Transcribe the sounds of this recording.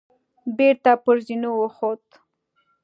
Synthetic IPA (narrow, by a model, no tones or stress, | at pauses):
beɾt̪apəɾzinowəxot̪